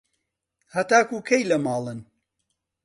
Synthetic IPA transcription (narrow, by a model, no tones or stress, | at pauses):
hɐt̪aːkukʰɐjlɐmɑːlˠɨn